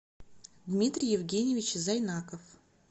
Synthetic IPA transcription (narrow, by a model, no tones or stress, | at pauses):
d̪mʲit̪ɾʲijɪvɡʲenʲjevʲɪt͡ɕizajnakəf